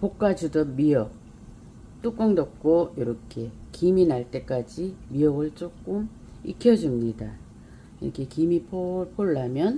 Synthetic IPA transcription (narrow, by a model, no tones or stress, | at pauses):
pok̚k͈ad͡ʑudʌmiʌk̚ | t͈uk͈ʌŋdʌp̚k͈oiɾʌkʰe̞kiminaɭt͈e̞k͈ad͡ʑimiʌɡɯɭt͡ɕ͈ok͈̚um | ḭkʰjʌd͡ʑumɲida | iɾʌkʰe̞kimipʰopʰoɭːamjʌn